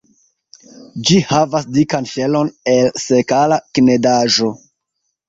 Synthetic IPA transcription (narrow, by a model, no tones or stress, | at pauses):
d͡ʒihavasdikanʃe̞lo̞nelse̞kalakne̞daʒo̞